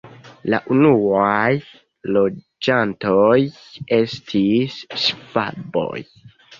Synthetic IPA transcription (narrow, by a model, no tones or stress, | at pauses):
la̰ʔunuaj | lo̞ | d͡ʒantoj | e̞stʰissv̥a̰bo̞̰j